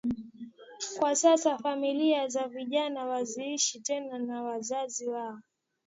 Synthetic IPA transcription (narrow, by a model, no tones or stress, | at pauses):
kwasasafamiliazaviʄanawaziiʃitɛnanawazaziwaɔ